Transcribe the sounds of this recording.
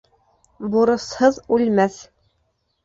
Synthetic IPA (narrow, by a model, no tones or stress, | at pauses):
buɾɤ̆shɤðʉlmæθ